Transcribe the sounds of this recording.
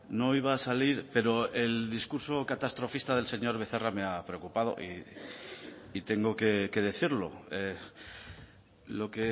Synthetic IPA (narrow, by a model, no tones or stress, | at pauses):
no̞iβ̞aːsaliɾpe̞ɾo̞e̞ld̪iskuɾso̞kat̪ast̪ɾo̞fist̪að̞e̞lse̞ɲo̞ɾβe̞θerame̞apɾe̞okupað̞o̞̰ʔḭ | it̪e̞ŋɡo̞ke̞ke̞ð̞e̞θiɾlo̞̰e | lo̞ke̞